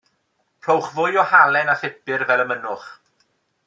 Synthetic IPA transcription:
pʰr̥owχvʊjɔhalˠɛnaθɪpɨrvɛlˠəmənʊχ

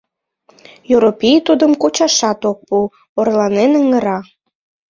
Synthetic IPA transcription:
joɾopʲijt̪ud̪əmkot͡ɕɑʃɑt̪ok̚pu | orlɑnenəŋə̆ɾɑ

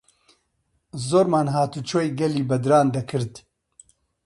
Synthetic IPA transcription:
zoːɾmaːnɦaːt̪ut͡ʃʰoːjɡɛliːbɐd̪ɾaːnd̪ɐkʰɨɾd̪

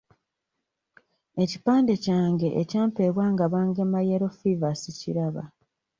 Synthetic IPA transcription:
e̞cipaːnde̞caːŋɡe̞ʔecaːmpe̞ːβwaːŋɡaβaːŋɡemajeɾo̞fivasiciɾaβa̰

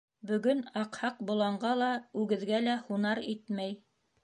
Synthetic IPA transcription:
bɵ̆ɡɵnɑqhɑq̚bŏlˠɑɴɢɑlˠɑʉɡɘ̆ðɡælæhunɑɾit̪mæj

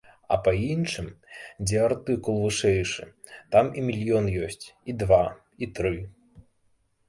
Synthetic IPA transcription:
ɐ̰pɐinʂɨmd͡zʲɛart̪ɨkulˠvɨʂɛjʂɨ̰t̪amimʲilʲjɔnjɔsʲt͡sʲid̪va | it̪ɾɨ

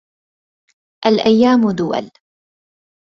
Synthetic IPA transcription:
ʔalʔajːaːmʊd̪ʊwa̰l

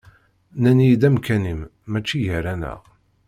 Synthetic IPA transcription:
nænid̪æmkænimːæt͡ʃːiʝəɾænæ̰ʁ

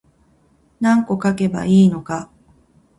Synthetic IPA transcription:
nãŋko̞kake̞ba̰iːno̞ka

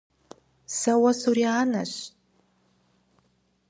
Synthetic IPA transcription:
sɐwɐsuɾiaːnɐ̰ɕ

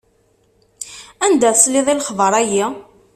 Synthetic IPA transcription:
ænd̪æsliðˤilχvəɾˤæji

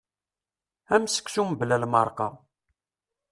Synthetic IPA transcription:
æmsə̥kʷsumblælmɑɾˤqɑ̰

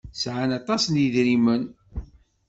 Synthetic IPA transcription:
sʕanɑt̪ˤɑsniðɾimən

